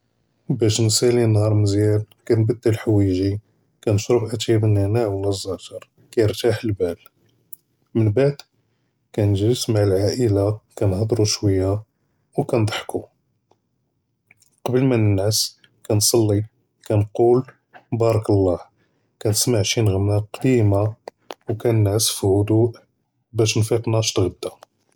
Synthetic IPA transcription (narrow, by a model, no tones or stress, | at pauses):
bæʃnsælinhɑɾˤməzjælkænbəd̪ːəlħwiʒi | kænʃɾufʔæt̪jæbənænaʕwəlæzˤːɑtɑɾˤ | kæjəɾt̪aħəlbæl | mənbaʕd̪ | kænʒiɾəsmaʕəlʕaʔəlakænhɑd̪ˤɾuʃwəjːa | wkænd̪ˤħku | qɑbəlmænənʕəs | kænsˤɑlːi | kænqul | bɑɾˤɑkɑlˤːɑh | kænəsmaʕʃinɣəmnæqd̪ima | wkænənʕəsfihʊd̪uʔ | bæʃnfiqnæʃt̪ɣəd̪ːa